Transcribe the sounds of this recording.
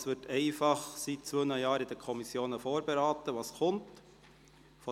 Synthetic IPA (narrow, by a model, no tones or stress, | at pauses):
sʋɪtʰɛɪfɑχsit̚t͡sʋøːnəjɑːɾɪd̥əkʰɔmisjoːnəfoːɾbeɾɑːtəʋɑːskʰʊnt | fɔ